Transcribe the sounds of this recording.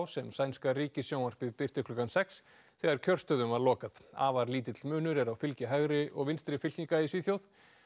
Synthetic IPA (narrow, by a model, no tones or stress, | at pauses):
wsɛmsajnskariːcɪsjownvar̥pɪpɪr̥t̪ɪkʰlʏkansɛks | θɛɣaɾ̥cʰœr̥st̪œðʏmvaɾlɔːkaða̰ːvaɾliːt̪ɪt̪lmʏːnʏɾɛɾawfɪlcɪɦaɣɾɪʔɔɣvɪnst̪ɾɪfɪl̥cniŋkaɪsviːθjowð